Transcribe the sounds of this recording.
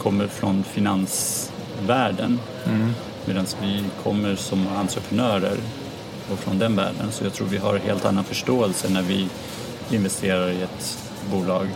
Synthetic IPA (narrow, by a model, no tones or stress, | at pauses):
kʰɔmːəɾfɾɔnfɪnans | væːɖən | meːd̪ansvɪkʰɔmːəɾsɔmant̪ɾəpʰɾənœːɾə̰ɾ | ɔfɾɔnd̪ɛnvæ̰ːɖənsɔjɑɡt̪ʰɾuːɾvɪɦa̰ɾɦḛːlt̪a̰nːanfœʂʈoːɛlsənæɾvɪ | ɪnvɛst̪ʰeːɾaɾɪɛt̪ | buːlɑːɡ